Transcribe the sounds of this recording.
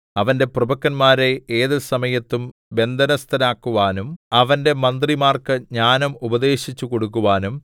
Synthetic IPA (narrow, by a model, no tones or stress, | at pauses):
ɐʋɐnde̞prɐbɐkːɐnmaːɾeeːðisɐmɐjɐt̪ːum | be̞nd̪ʱɐnɐst̪ɐnaːkːuʋaːnumɐʋɐnde̞mɐnd̪rimaːrkɨɲaːnɐmubɐd̪e̞ːɕit͡ɕːuko̞ɽukːuʋaːnum